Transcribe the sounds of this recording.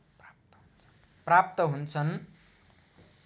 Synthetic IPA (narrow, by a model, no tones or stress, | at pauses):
prap̚t̪ʌɦunt͡sʰʌn